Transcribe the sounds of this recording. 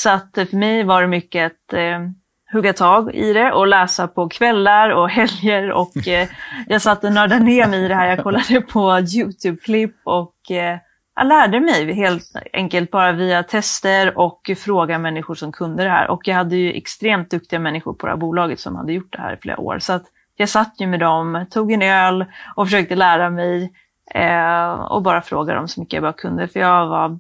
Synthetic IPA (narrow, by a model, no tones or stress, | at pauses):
sɔat̪ːfœɾmɛjvaɖɛmʏkːəat̪ | hɵɡːat̪ʰɑːɡɪ̰d̪ɛʔɔlɛːsapʰɔkʰvɛlːaɾɔɦɛljəɾɔ̰k | jɑːɡsat̪ːənœːɖaneːmɛjɪd̪ɛhæːɾjɑːɡkʰɔlːad̪əəpʰɔjʉːt̪ʰʉːb̚kʰlɪpːɔk | jɑ̰læːɖəmɛjɦeːlt̪ɛ̰ŋkəlt̪̚bɑːɾaviːat̪ʰɛst̪əɾɔkːfɾoːɡad̪mɛnːɪɧʊʂɔmkʰɵnd̪əd̪ɛhæ̰ːɾʔɔ̰kjɑːɡhad̪ːəjɵʔɛ̰kst̪ɾeːmt̪̚d̪ɵk̚t̪ɪɡamɛnːɪɧʊɾpʰɔd̪ɛ̰hæ̰ɾbuːlɑːɡət̪sɔmha̰d̪ːəjʊʈ̚ːd̪ɛhæ̰ːɾɪflḛːɾa̰o̰ːɾsɔat̪ | jɑːɡsat̪ːjɵmɛd̪ɔmt̪ʰuːɡɛnøːlʔɔfœʂøːk̚t̪əlæːɾamɛj | ɔ̰bɑːɾafɾo̰ːɡad̪ə̰ɔmsɔmʏkːəjabɑːkʰɵnd̪əfœɾjɑɡva